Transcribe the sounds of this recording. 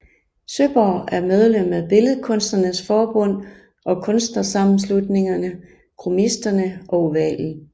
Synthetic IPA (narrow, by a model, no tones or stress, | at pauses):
søb̥ɒ̰ːæɐmeð̞ˠlem̰æb̥e̝ləð̞̩ˠkʰɔ̽n̰sd̥ɐnəsfɒːb̥ɔ̽n̰ | ʔɒ̽kʰɔ̽nsd̥nɐsɑ̈mm̩s̬lud̥ne̝ŋɐnə | kʰʁomisd̥ɐnəʔɒ̽uʋɛ̰l̰̩